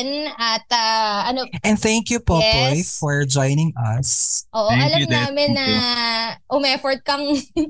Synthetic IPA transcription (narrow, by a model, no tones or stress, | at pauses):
nɐt̪ɐɐnoʔɛ̃nd̪θæ̃ŋkjupobojfɔɹd͡ʒɔjnɪŋɐsʔoːʔoʔɐlɐmnaːmɪnnːɐ | ʔʊmɛfɔɹd̪̚kɐŋ